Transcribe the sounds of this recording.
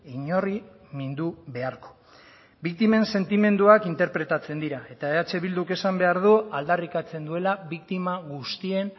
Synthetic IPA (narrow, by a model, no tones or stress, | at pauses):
iɲo̞ri | mind̪uβe̞aɾko̥ | bik̚t̪ime̞nse̞nt̪ime̞nd̪uakint̪e̞ɾpɾe̞t̪at͡se̞nd̪iɾae̞t̪aeat͡ʃe̞βild̪uke̞sambe̞aɾð̞uald̪arikat͡se̞nd̪ue̞laβik̚t̪imaɣust̪ie̞n